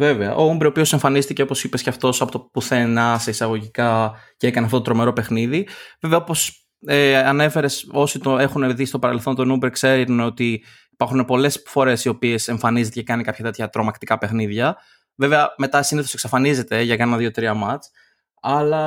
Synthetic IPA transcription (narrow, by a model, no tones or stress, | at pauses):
ve̞veɐ̰ʔo̞umbɾio̞pio̞se̞ɱfɐnist̪iceo̞po̞sipe̞sceɐft̪o̞sɐpo̞t̪opuθe̞nɐseisɐɣo̞ʝikɐceekɐneɐft̪ot̪ot̪ɾo̞me̞ɾo̞pe̞xniðiveveɐopo̞s | eɐne̞fe̞ɾe̞so̞sit̪oe̞xune̞ðist̪o̞pɐɾe̞lθo̞nt̪o̞numbeɾkse̞ɾunot̪i | ipɐɾxune̞po̞le̞sfo̞ɾe̞sio̞pie̞se̞ɱfɐnizet̪ecekɐnikɐpçɐt̪e̞t̪ʰçɐt̪ɾo̞mɐkt̪ikɐpe̞xniðʝɐ | ve̞veɐme̞t̪ɐsiniθo̞seksɐfɐnize̞t̪e̞ʝɐkɐnɐnɐðjio̞t̪ɾiɐmɐt͡s | ɐlɐ